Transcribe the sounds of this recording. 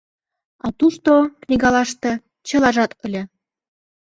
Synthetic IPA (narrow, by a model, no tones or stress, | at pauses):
ɑt̪uʃt̪oknʲiɡɑlɑʃt̪ɤ̆ | t͡ɕɤ̆lɑʒɑt̪ɤ̆lʲĕ